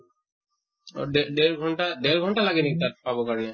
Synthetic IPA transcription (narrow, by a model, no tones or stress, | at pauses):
ɖeɖ̪eɾɡʱɔɳʈad̪eɾɡʱɔɳʈalaɡinikit̪aɾpabokaɾɔne